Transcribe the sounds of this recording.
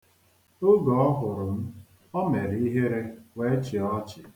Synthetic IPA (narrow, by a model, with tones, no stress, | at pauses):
ʊ˦ɡɔ˨ɔ˦ɦʊ˨ɾʊ˨n̩˦ | ɔ˦me˨ɾi˦ɦe˦ɾe˦we˦t͡ʃɪ˨ɔ˦t͡ʃɪ˨